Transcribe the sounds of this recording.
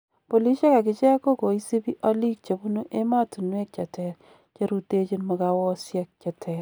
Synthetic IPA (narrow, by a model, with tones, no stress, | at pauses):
po˨li˦ʃe˦ka˨kɪ˦t͡ʃɛ˦ko˦ko˨i˦si˦bi˦ʔɔ˦li˦k̚t͡ʃe˨bu˦nu˦ʔe˦ma˦tu˨nwe˦k̚t͡ʃa˨tɛ˨ɾ | t͡ʃe˦ɾu˦te˦t͡ʃi˦nmɔ˨kawɔ˦sjɛ˦k̚t͡ʃa˨tʰɛɾ